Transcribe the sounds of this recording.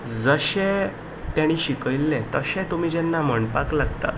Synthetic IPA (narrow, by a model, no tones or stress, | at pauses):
d͡zəɕɛ̃ | t̪jaɽ̃iːɕikəjlːɛ̃t̪əɕɛ̃t̪um̤iːd͡ʑɛnːam̤əɳpaklaɡt̪a̰